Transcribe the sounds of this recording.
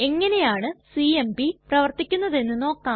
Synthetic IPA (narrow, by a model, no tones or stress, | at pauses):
e̞ŋːɐne̞jaːɳɨsiembiprɐʋɐrt̪ikʲːunːɐðe̞nːɨno̞ːkːaː